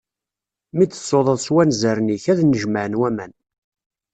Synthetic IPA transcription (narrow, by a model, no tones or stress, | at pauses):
miə̥sːoðˤəðˤswænzəɾniçæðnːəʒməʕənwæmæn